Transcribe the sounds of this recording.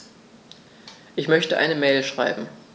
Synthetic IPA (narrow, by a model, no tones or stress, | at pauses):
ʔɪçmœçtəʔa̰ɪnəmɛːlʃʁ̥a̰ɪbm̩